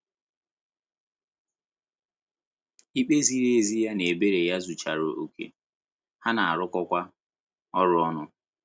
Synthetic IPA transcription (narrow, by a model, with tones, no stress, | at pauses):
i˦k͡pe˦zi˦ɾe˦˨e˦˨zi˦ja˦ne˨e˨be˦ɾe˨ja˦zu˨t͡ʃa˨ɾo˨ʔo̰˨kʰḛ˨ | ha˦na˨a˨ɾʊ˦kɔ˦kʷa˦ | ɔ˦ɾʊ˦ɔ˦nʊ˦